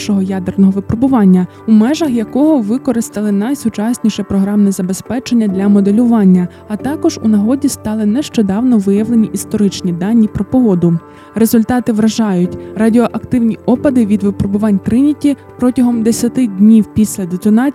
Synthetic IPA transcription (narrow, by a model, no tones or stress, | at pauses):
ʃɔɦɔjɑd̪ernɔɦɔʋɪpɾɔbʊʋɑnʲːɐ | umɛʒɐxjɐkɔɦɔʋɪkɔɾɪst̪ɐlˠɪnɐjsʊt͡ʃɑsʲnʲiʃɛpɾɔɦɾɑmnɛzɐbe̞spɛt͡ʃenʲːɐd̪ʲlʲɐmɔd̪elʲʊʋɑnʲːɐːt̪ɑkɔʒṵnɐɦɔdʲist̪ɑlˠɪnɛʃt͡ʃɔd̪ɑwnɔʋɪjɐʋlˠenʲiʔist̪ɔɾɪt͡ʃnʲid̪ɑnʲːipɾɔpɔɦɔd̪ʊ | ɾe̞zʊlʲt̪ɑt̪ɪʋɾɐʒɑjʊtʲrɐdʲiɔʔɐkt̪ɪwnʲiʔɔpɐd̪ɪʋʲid̪ʋɪpɾɔbʊʋɑnʲt̪ɾɪnʲitʲipɾɔtʲɐɦɔmd̪esʲɐt̪ɪdʲnʲiwpʲisʲlʲɐd̪et̪ɔnɑ